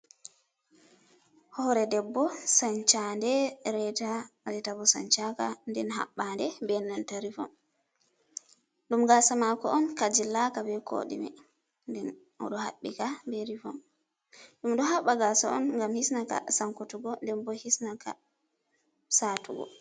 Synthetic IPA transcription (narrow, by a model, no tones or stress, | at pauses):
hɔɾɛdɛbːɔsaɲt͡ʃandɛɾɛtaɾɛtabɔsa̰ɲt͡ʃakandɛnɦa̰ɓːandɛbɛnːantaɾifɔ̰m | ɗumɡasamakɔɔnkad͡ʒilːakabɛkʰo̰ɗḭmɛ̰ | ndɛn | ʔɔ̰ɗɔha̰ɓːikabeɾifɔ̰m | ɗumɗɔɦaɓːaɡasaʔɔ̰nŋɡamhisnaka̰saŋkotuɡɔdɛmbɔhisnaka̰ | satuɡɔ̰